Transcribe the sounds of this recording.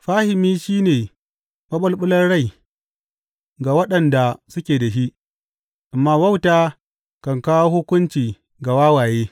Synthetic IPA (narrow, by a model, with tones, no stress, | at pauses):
ɸaː˦hɪ˨miː˦ʃiː˦neː˨ | mɐ˦ɓɐ˦lɓʊ˦lɐ˦rɽa˦˨j | ɡa˨wɐ˦ɗɐ˨nda˨sʊ˦kʲeː˨da˨ʃi˦ʔ | ʔa˨mːaː˦wɐ˦wtaː˦ | kɐ˨ŋkaː˦wo˦hʊ˦kʷʊ˦nt͡ʃiː˨ | ɡa˨waː˦waː˨jeː˦